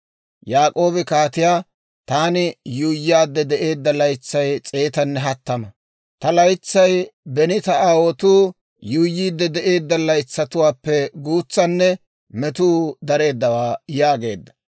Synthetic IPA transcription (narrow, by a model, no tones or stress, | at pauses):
jaːkʼo̞ːbɪkaːt̪ɪjaː | t̪aːnɪjuːjːaːd̪ːɛd̪ɛʔe̞ːd̪ːɐlɐjt͡sːɐjt͡sʼe̞ːt̪ɐnːɛɦɐt̪ːɐmɐ | t̪ɐlɐjt͡sːɐjbɛnɪt̪ɐʔaːwɔt̪uː | juːjːiːd̪ːɛd̪ɛʔe̞ːd̪ːɐlɐjt͡sːɐt̪ʊwaːpːɛɡuːt͡sːɐnːɛ | mɛt̪uːd̪ɐɾe̞ːd̪ːɐwaːjaːɡe̞̰ːd̪ːɐ̥